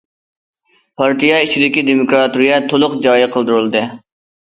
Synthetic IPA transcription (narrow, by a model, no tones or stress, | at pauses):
pʰɑɾt̪ijɑit͡ʃʰid̪ɪkʲid̪emukɾɑt̪uɾijɛt̪ʰolˠʊqd͡ʒɑːjiqʰəlˠd̪uɾɨlˠɨd̪ɨ